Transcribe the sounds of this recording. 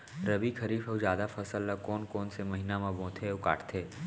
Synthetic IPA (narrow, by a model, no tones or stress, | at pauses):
ɾɐbikʰɐɾiːfəwzjaːd̪afɐsəlːɐkɔːnkɔːnsemɐɦiːnamãbõːt̪ʰeoʊka̰ːʈʰt̪ʰeː